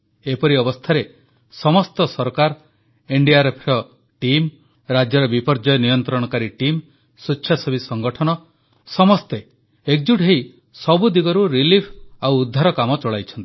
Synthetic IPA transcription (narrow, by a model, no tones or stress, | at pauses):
epɔɾiɔbɔst̪ʰaɾe | sɔmɔst̪ɔsɔɾkaɾ | eɳɖiaɾepʰɾɔ | ʈim | ɾad͡ʒjɔɾɔbipɔɾd͡ʒɔjɔnijɔnt̪ɾɔɽ̃ɔkaɾiʈim | sutːt͡ʃʰasɔbisɔŋɡɔʈʰɔnɔ | sɔmɔst̪e | ek̚d͡ʒuʈɦej | sɔbud̪iɡɔɾuɾilipʰawːd̪ʱːaɾɔkamɔt͡ʃɔɭajt͡ʃʰɔnt̪i̥